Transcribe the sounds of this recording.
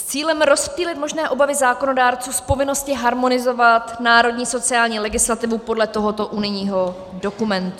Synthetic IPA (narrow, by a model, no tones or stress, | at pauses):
st͡siːlɛmɾo̞spiːlɪt̪mo̞ʒnɛːʔo̞bavɪzaːko̞no̞daːɾt͡suːspo̞vɪno̞scɪɦaɾmo̞nɪzo̞vat̪naːɾo̞dɲiːso̞t͡sɪaːlɲiːlɛɡɪslat̪ɪvupo̞dlɛt̪o̞ɦo̞t̪oʔunɪɲiːɦo̞ | do̞kumɛnt̪u